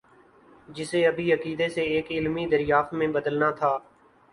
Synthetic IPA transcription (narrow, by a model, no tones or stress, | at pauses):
d͡ʒɪseːəbʱiːəkiːd̪eseeːkɪlmid̪əɾjaːft̪mẽbəd̪əlnaːt̪ʰaː